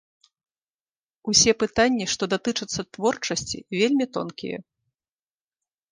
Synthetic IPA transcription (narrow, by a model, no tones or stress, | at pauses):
usʲɛpɨt̪anʲːiʂt̪ɔd̪at̪ɨt͡ʂɨt̪sːɐt̪vɔrt͡ʂɐsʲt͡sʲḭvʲelʲmʲit̪ɔ̰nkʲḭjɛ̰